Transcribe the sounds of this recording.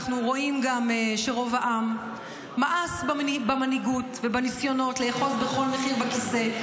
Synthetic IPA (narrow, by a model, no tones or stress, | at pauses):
χnuʁo̞imɡameʃeʁo̞vaʔamː | aʔasbabamaniɡutvebanisjo̞no̞tleːχo̞sbeχo̞lmeχiʁbakise̞